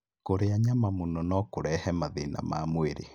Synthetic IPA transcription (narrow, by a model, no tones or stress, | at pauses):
koɾeaɲamamonɔnɔkoɾɛhɛmaðena̰mamweɾḛ